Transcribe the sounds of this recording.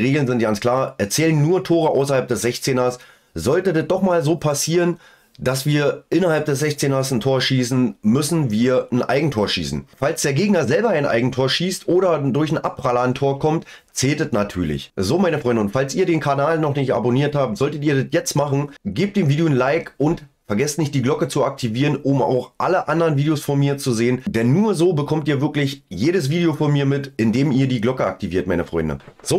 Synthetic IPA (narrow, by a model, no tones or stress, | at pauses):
ʁeːɡl̩nzɪnt̚ɡ̥ant͡skl̥aːɐʔɛɐt͡sɛːlənːuːɐtʰoːʁ̞əʔa̰ʊsɐhalp̚d̥ɛsz̥ɛçt͡seːnɐs | z̥ɔltədɛt̚d̥ɔχmaːlzoːpʰasiːʁən | d̥asv̥iːɐʔɪnɐhalp̚d̥ɛszɛçt͡seːnɐsn̩tʰoːɐʃiːsn̩mʏsn̩viːɐn̩ʔa̰ɪɡŋ̩tʰoːɐʃḭːsn̩falsd̥eːɐɡeːɡnɐzɛlbɐaɪnʔa̰ɪɡŋ̩tʰoːɐʃiːstʔoːɾɐdʊɐçn̩ʔapʁalɐntʰoːɐkʰɔmtt͡sɛːltɛtnatʰyːɐlɪ̰çzoːmaɪnəfʁɔʏndnʊntfalsiːɐdeːnkʰanaːlnɔχnɪçta̰boniːɐthaːp̚tz̥ɔltətiːɐdɪtjɛt͡stmaχn̩ɡeːp̚td̥eːmviːdejonlaɪkʊnt | fɛɐɡɛstnɪçtd̥iːɡlɔkət͡suak̚tʰiviːʁənʊma̰ʊxʔa̰ləʔandəʁənviːdeosfɔnmiːɐt͡suzeːənd̥ɛnːuːɐzoːbəkʰɔmtiːɐvɪɐklɪçjeːɾəs̬v̥iːdeofɔnmiːɐmɪtɪndeːmiːɐdiːɡlɔkəa̰k̚tʰiviːɐt̚maɪnəfʁ̥ɔʏndə̰nz̥oː